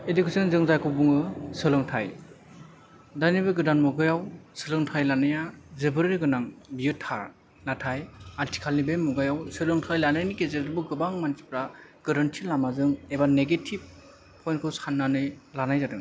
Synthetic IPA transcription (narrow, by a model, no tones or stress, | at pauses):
edukʰesɯnzɯŋzajkʰɯbuŋɯsɯlɯŋtʰaj | danibɯɡɯdanmɔɡɯjawsɯlɯŋtʰajlanɯjazɯbɯɾɾiɡɯnaŋbijɯtʰːaɾ | natʰajaɾtʰi̥kʰalnibemɔɡajawsɯlɯŋtʰajlanɯjnikezedɯɾbɯɡɯbaŋmansi̥pɾaɡ̥ɯɾɯntʰilamazɯŋebaneɡetʰib̚ | pʰːɔjnkʰɯwsanːanɯjlanajzadɯn